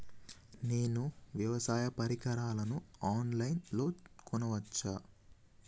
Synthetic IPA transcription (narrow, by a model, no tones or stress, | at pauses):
ne̞ːnuʋjɐʋɐsaːjɐpɐɾikɐɾaːlɐnuaːnlɐjnlo̞ːkɔnɐʋɐt͡ʃːaː